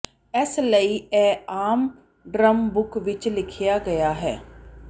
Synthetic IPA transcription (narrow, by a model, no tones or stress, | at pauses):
ɛsləiːɛːaːm | ɖɾəmbʊkʋɪt͡ʃlɪkʰɪjaːɡəjaːɦɛː